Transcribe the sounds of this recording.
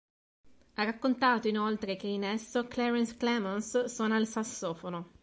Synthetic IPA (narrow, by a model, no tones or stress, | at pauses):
arːakːont̪aːt̪oinolt̪ɾek̟einɛsːoklɛɾɛnsklɛmonssɔːnalsasːoːfono